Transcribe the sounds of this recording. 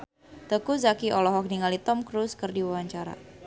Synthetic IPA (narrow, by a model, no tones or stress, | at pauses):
t̪əkuzakiʔɔlɔɦɔk̚niŋalit̪ɔmkɾuskərdiwawaɲt͡ʃaɾa̰